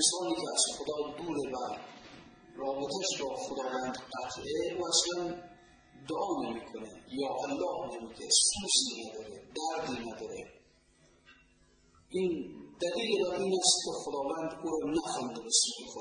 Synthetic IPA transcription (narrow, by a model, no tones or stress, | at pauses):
sɑːniːkeæsχod̪ɒːd̪uːɾebæɾ | ɾɒːbet̪ʰæʃbɒːxod̪ɒːvænd̪qæt̪ʰʔeuæslæn | d̪oʔɒːnemikʰonejɒːʔælːɒːhnemiːkʰesfuɾsinæd̪ɒːɾed̪æɾd̪inæd̪ɒːɾe | ʔiːnd̪æliːlebæɾiːnæst̪kexod̪ɒːvænd̪uɾɔnæxɔnd̪ebeskexo